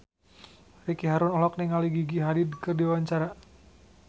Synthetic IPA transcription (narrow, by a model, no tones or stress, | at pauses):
rikiɦaɾunɔlɔk̚nɛŋaliɡiɡiɦadidkɨrdiwwaɲt͡ʃaɾa